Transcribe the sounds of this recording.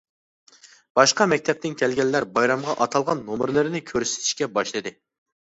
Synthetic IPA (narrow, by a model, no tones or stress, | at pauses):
b̥ɑʃqɑmɛk̚ʲt̪ʰɛp̚t̪ɪnkʲʰɛlɡʲɛlːæɾbɑjɾɑmʁɑʔɑt̪ʰɑlˠʁɑnːomɨɾlˠɨɾnɪkʲʰøɾsɪ̥t̪ʰi̥ʃkʲɛbɑʃlˠɨd̪ɨ